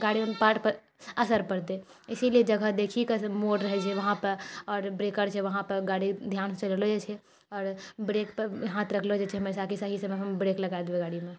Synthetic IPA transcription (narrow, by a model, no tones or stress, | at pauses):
ɡaɽipaːʈpəɾ | əsəɾpəɽt̪eɪsilied͡ʒəɡʱəd̪ekʰikemoɽɾəɦɛt͡ʃʰɛʋəɦãpəɾɔːɾbɾekəɾt͡ʃʰɛʋəɦãpəɾɡaɽid̪ʱjant͡ʃəllod͡ʒet͡ʃʰɛ | ɔːɾbɾeːkpəɾɦãt̪ɾəkʰlod͡ʒet͡ʃʰɛɦəmesakisaɦisəmeɦəmbɾeːkləɡad̪beɡaːɽime